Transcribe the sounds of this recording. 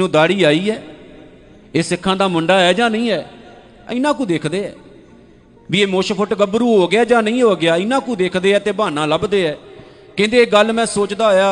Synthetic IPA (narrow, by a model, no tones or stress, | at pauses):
nũːd̪aːɽiːaːiːɛː | eːsɪkʰːãːd̪aːmʊɳɖaːɛːd͡ʒãːnəĩːɛː | ɪnãːk̬ũːd̪eːkʰd̪eːɛ̰ː | ʋieːmoːʃpʰəʈɡəbɾuːɦoːɡɪjaːd͡ʒãːnəĩːɦoːɡɪjaːɪnãːkũːd̪eːkʰd̪eːɛːt̪eːbaːnãːləbd̪eːɛː | kɪ̃nd̪eːɡəlmɛ̃ːsoːt͡ʃd̪aːɦojaː